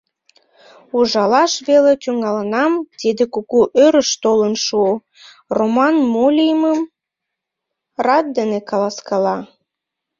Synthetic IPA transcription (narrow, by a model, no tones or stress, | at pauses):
uʒɑlɑʃβelet̪yŋɑlənɑmt̪id̪ekukuʔøɾəʃt̪olənʃu | romɑnmolʲijəməm | rɑt̪̚d̪enekɑlɑskɑlɑ